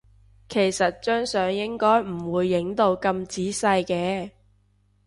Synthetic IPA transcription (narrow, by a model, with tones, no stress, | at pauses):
kʰe˨˩jsɐ˨t̚t͡ʃœː˥ŋsœː˨˧ŋjɪ˥ŋkɔː˥jm̩˨˩wuː˨˧jːɪ˨˥ŋt̪o˧wkɐ˧mt͡siː˨˥sɐ˧jkɛː˧